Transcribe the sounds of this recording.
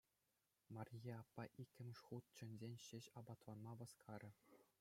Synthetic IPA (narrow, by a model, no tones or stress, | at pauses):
mɑrʲjeɑpːɑʔikʲːɘ̆mʲʂχut̪̚t͡ɕɘ̆nʲzʲenʲɕɘ̆ɕɑbɑt̪lˠɑnmɑʋɤ̆skʰɑɾʲɤ̆